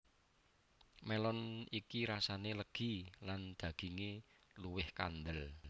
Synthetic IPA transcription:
melɔnikiɾasaneləɡ̥i̤land̪̥a̤ɡ̥i̤ŋeluwɪhka̰nd̪əl

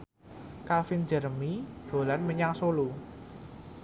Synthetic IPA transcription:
kafɪnd͡ʒə̤ɾəmid̥o̤lanməɲaŋsolu

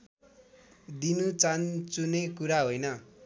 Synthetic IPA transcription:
d̪inut͡sant͡sunekuɾaɦojnʌ

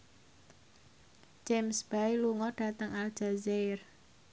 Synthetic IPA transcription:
d͡ʒemsb̥ajluŋɔɖ̥a̤t̪əŋal̥d͡ʒ̥azer

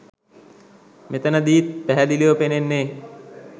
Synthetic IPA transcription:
met̪ənəd̪iːt̪̚pæɦæd̪iliʋopenenːeː

